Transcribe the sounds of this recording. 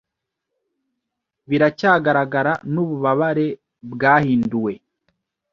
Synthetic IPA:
βiɾacaːɡaɾaɡaɾanuβuβaβaɾe̞ | bɡaːhiːnduwe̞

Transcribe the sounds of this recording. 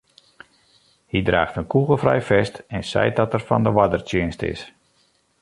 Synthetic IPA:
hidraːxtənkuɣəlˠfrɛ̰jfɛstɛnsɛ̰jt̚dɔtərfɔndəʋadərtjɪənstɪ̰s

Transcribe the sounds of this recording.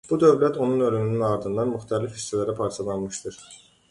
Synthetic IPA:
b̥ud̪ø̞vlæt̪ʰo̞nunø̞lymynynɑɾd̪ɯnd̪ɑnmyxt̪ʰælifest̪ʰilæɾæpʰɑɾt͡ʃʰɑlˠɑnmɯʃt̪ɯɾ̥

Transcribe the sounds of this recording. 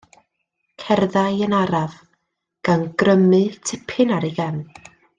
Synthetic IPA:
kʰɛrðajənaɾav | ɡ̥anɡ̥rəmɨtʰɪpʰɨnaɾiɡɛn

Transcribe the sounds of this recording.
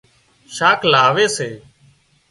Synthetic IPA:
ʃaːkʰlaːʋeːseː

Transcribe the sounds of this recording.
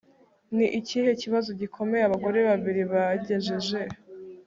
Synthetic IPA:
niʔicihe̞ciβazo̞ɟikʰo̞me̞jaβaɡo̞ɾe̞βaβiɾiβaɟe̞ʒeʒe̞

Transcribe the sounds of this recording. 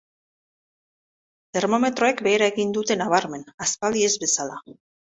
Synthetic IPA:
t̪e̞ɾmo̞me̞t̪ɾo̞e̞kbe̞ːɾae̞ɣind̪ut̪e̞naβ̞aɾme̞naspald̪ie̞zβe̞sala

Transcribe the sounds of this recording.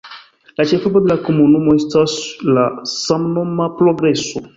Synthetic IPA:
lat͡ʃefəbəd̪lakumunumɔst̪aslasãmnɔmapɾɔɡɾɛsu

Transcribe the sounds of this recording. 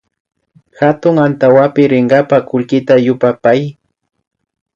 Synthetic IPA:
xat̪ʊŋant̪awapɪɾɪɴɢɑpakʊʎkɪt̪ajʊpapaj

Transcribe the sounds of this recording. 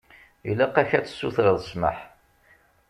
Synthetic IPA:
ilæqæçæt͡sːə̥sːuθɾəðˤəsmə̰ħ

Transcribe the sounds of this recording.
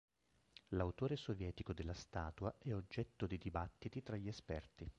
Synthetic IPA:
lawt̪oːɾesovjɛːt̪ikod̪elːast̪aːt̪uaʔɛod͡ʒːɛt̪ːod̪id̪ibat̪ːit̪it̪ɾaʎːiespɛrt̪i

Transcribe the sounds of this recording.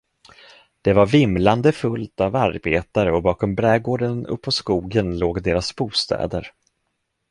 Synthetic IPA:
d̪̥ɛvaɾvɪmland̪əfɵlt̪avaɾbeːt̪aɾəɔbɑːkɔmbɾɛːɡoːɖənɵ̰pʰːɔskuːɡənloːɡd̪eːɾasbuːst̪ɛ̰ːd̪ə̰ɾ

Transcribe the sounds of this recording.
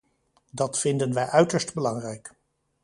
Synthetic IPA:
dɑtfɪndənʋɛjʔœɥtəɹstbəlɑŋrɛjk

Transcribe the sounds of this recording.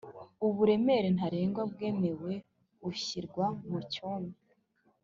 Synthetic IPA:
uβuɾe̞me̞ɾenhaɾeːŋɡwab̚ɡe̞ːme̞we̞ | uɕiɾɡwamucoːmi

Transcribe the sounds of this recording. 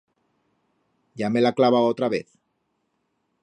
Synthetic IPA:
ɟ͡ʝamelaklaβaot̪ɾaβḛθ

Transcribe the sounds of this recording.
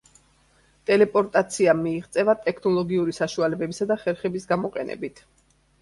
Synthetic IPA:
t̪ʼɛlɛpʼɔɾt̪ʼat̪sʰiamiːʁt̪sʼɛvat̪ʼɛkʰnɔlˠɔɡiuɾisaʃualɛbɛbisad̪aχɛɾχɛbisɡamɔqʼɛnɛ̰bit̪ʰ

